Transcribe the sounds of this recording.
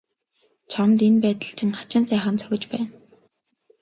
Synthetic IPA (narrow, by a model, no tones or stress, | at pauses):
t͡sʰɔnt̪enpæːt̪ə̆ɬt͡ɕʰɪ̆ŋχḁt͡ɕɪ̆nsæːχə̆nt͡sʰœ̥xʲɪ̆t͡ɕpæːn